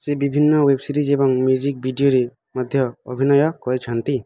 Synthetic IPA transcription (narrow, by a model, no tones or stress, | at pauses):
sebibʱinːɔwebsiɾid͡ʒebɔŋmjud͡ʒik̚bʱiɖijoɾe | mɔd̪ʱjɔːbʱinɔjɔkɔɾet͡ʃʰant̪i